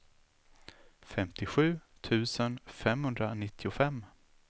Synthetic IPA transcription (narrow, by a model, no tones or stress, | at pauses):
fɛmt̪ɪɧʉ̟ːt̪ʰʉ̟ːsənfɛmhɵnd̪ɾanɪt̪ʰːɪʊfɛmː